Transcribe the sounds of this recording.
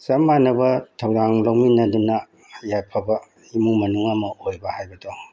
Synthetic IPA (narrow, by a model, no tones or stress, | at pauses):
sɐmanɐbɐtʰɐwdaŋlawminɐdunɐ | japʰɐbɐ | imuŋmɐnuŋɐmɐʔojbɐhajbɐdo